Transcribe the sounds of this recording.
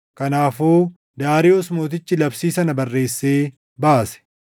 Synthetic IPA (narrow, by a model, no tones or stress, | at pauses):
kɐnaːfoː | d̪aːɾɪʔoːsmo̞ːt̪̬ɪt͡ʃːɪlɐbsiːsɐnɐbɐrːe̞ːsːeː | baːsɛ̥